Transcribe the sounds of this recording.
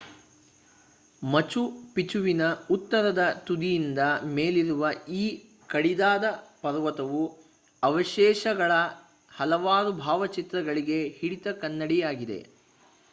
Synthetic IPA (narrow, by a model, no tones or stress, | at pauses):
mɐt͡ʃupit͡ʃuʋinɐut̪ːɐɾɐd̪ɐt̪ud̪ijind̪ɐme̞ːliɾuʋɐiː | kɐɽid̪aːd̪ɐpɐɾʋɐt̪ɐʋu | ɐʋɐʃɛːʃɐɡɐɭɐ | hɐlɐʋaːɾubʱaːʋɐt͡ʃit̪ɾɐɡɐɭiɡe̞hiɽit̪ɐkɐnːɐɽijaːɡid̪e̞̰